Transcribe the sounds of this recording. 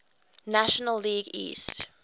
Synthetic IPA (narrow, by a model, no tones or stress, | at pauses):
naʃənəlːiːɡḭːst